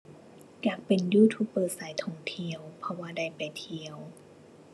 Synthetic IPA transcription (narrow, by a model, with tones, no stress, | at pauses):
jaː˨˩k̚pe˨˩njuː˧˩t̪ʰuː˧˥pːɤː˧saː˩˦jt̪ʰɔ˧˩ŋt̪ʰi˧əwpʰɔ˧waː˧da˥˩jpa˨˩jt̪ʰi˧əw